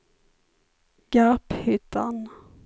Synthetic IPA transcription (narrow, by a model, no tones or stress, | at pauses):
ɡ̥aphʏt̪ʰːan